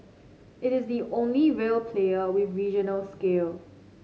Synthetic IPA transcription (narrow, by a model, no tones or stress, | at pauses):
ɪɾɪzdiʔõnliɹelpʰleəwɪðɹid͡ʒənəlskeːl